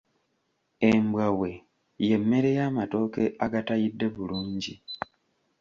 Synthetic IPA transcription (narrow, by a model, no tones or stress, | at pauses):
e̞mbwawe̞ | je̞mːe̞ɾe̞jaːmato̞ːkeaɡatajidːe̞βuluːɲɟi